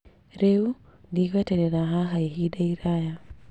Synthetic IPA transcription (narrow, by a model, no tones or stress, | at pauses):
ɾɛundikatɛɾɛɾaɦaɦaiɦidaiɾaja